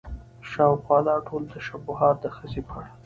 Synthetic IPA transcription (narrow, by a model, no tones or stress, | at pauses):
ʃɑwxwɑlɑʈʰolt̪aʃabuhɑt̪̚d̪əxəzepʰɑɽa